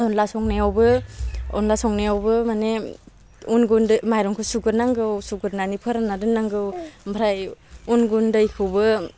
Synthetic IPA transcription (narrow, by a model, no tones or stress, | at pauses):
ɔnlasɔŋnaawbɯɔ̰nlasɔŋneawbɯmane | unɡundmajɾɔŋkʰusuɡɯɾnaŋɡɯwsuɡɯɾnanipʰɯɾanadɯnːaŋɡɯwbʱɾajunɡundɯjkʰɯwbɯ